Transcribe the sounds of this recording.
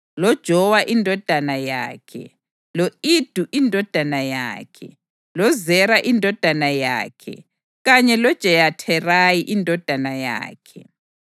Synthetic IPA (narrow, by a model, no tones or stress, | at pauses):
lɔd̥ʒ̥ʱɔwaʔindʱɔd̥ʱanaja̰ːkʰɛ̰ | loid̥ʱuʔindʱɔd̥ʱanaja̰ːkʰɛ̰ | lɔzɛɾaʔindʱɔd̥ʱanaja̰ːkʰɛ̰ | ɣaɲɛlɔd̥ʒ̥ʱɛjatʰɛrajiʔindʱɔd̥ʱanaja̰ːkʰɛ